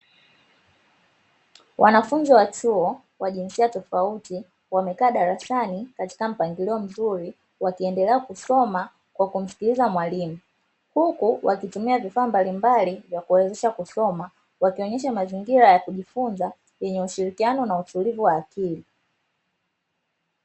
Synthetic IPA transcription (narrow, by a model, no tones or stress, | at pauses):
wʔanafunziwatuɔ | waʄinsiatɔfauti | wamɛkaːɗaɾasanikati̥kam̩paŋɡiliɔm̩zuɾi | wakiɛndɛlɛakusɔma | kwakum̩si̥kilizamwalimu | hukuwʔakitumiavifaːmbalimbalivjakuɛɛzɛʃakusɔma | wakiɔɲɛʃ̬amaziŋɡiɾajakuʄifunza | jɛɲɛuʃiɾikianɔnautulivuwaːkili